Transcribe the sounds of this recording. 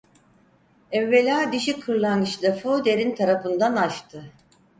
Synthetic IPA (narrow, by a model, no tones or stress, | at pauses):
ɛvːelʲaːd̪iʃikʰːɯɾlˠaŋɡɯt͡ʃd̪ˠafod̪eɾint̪ʰaɾafɯnd̪anaʃt̪ʰɯ